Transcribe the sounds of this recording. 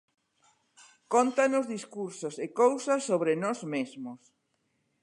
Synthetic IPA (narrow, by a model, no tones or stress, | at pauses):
kont̪anʊzðiskuɾsosekowsasːoβɾenɔzmezmʊs